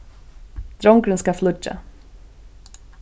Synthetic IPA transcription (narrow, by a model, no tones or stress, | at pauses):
d̪̥ɾɔŋkɾənskɑflʉʈə̰